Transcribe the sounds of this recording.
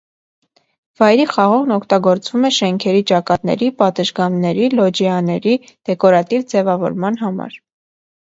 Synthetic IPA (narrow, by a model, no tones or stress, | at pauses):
v̥ɑjɾiχɑʁɔʁnɔkʰt̪ɑɡɔɾt͡svumɛʃɛŋkʰɛɾit͡ʃɑkɑt̪nɛ̰ɾipɑt̪əʒɡɑmnɛɾilɔd͡ʒɛɑnɛɾi | d̪̥ɛkɔɾɑt̪ivd͡zɛvɑvɔ̰ɾmɑnɦɑmɑ̰ɾ